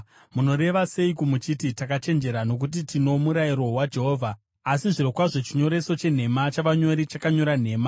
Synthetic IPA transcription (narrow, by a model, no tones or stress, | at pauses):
muno̞ɾe̞ʋase̞ikumut͡ʃititakat͡ʃe̞nd͡ʒe̞ɾano̞k̬ut̬itʰino̞muɾaiɾo̞ɦwad͡ʒe̞ɦoːvʱaː | siʐiɾokwaʐo̞t͡ʃiɲo̞ɾe̞so̞t͡ʃe̞n̤e̞mat͡ʃaʋaɲo̞ɾit͡ʃakaɲo̞ɾan̤e̞ːma